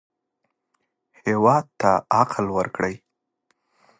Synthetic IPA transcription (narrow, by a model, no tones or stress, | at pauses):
hewɑd̪̚t̪aaqlwəɾkɽəj